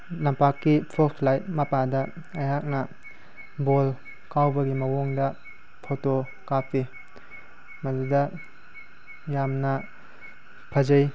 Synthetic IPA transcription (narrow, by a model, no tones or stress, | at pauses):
lɐmpakːipʰosʰlajmɐpadɐ | ɐjɦak̚nɐ | bol | kawbɐɡimɐwoŋdɐ | pʰoto | kapʰi | mɐdudɐ | jamnɐ | pʰɐzɐj